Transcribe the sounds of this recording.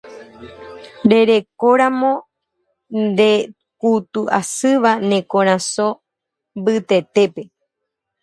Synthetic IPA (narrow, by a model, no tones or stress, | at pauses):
ɾe̞ɾe̞koɾãmõ̞ | nd̪e̞ | kut̪uʔasɨʋanẽ̞kõɾ̃ãso | mbɨt̪e̞t̪e̞pe̞